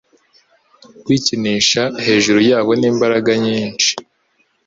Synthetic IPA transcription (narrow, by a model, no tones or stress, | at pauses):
kwiːciniːʃahe̞ːʒuɾujaːβo̞niːmbaɾaɡaɲiːnt͡ʃi̥